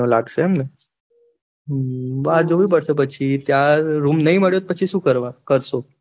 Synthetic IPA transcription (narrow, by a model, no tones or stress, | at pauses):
la̰ɡsəɛmnə | ʋad͡zoʋiːp̬əɽsəp̬ət͡ɕʰit̪jaɾuːmnəiməɽjot̪̚pət͡ɕʰisuːkəɾʋakəɾso